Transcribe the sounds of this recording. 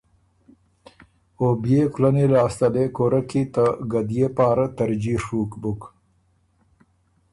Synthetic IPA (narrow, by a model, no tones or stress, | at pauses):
objeklanelɑːst̪alekoɾakit̪əɡad̪ijepɑːɾat̪aɾd͡ʒiʂukbʊk